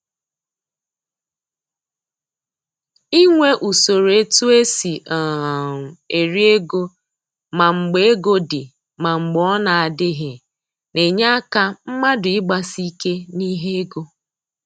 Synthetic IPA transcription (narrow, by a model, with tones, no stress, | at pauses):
i˦ŋʷe˦ʔu˨so˨ɾe˦tu˦e˦si˨ʔa˨ | e˨ɾi˦e˦ɡo˦ | ma˨ŋ͡m̩˨ɡ͡be˦e˦ɡo˦dɪ˨ | ma˨ŋ͡m̩˨ɡ͡bɔ˦na˨a˨dɪ˦ɦɪ˨ | ne˨ɲa˦a˦ka˦m̩˦ma˦dʊ˨ɪ˦ɡ͡ba˦si˦ke˦ni˦ɦe˦e˦ɡo˦